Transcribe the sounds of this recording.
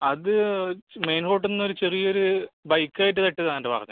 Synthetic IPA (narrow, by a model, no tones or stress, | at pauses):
ɐðɨmeːnko̞ːʈ̬ːenːo̞ɾut͡ɕe̞rijɐoɾubɐjkːaːjiʈ̬ːɨt̪eʈːɐðaŋɐːɳɖebʱa̰ːɐt̪ːɐ̰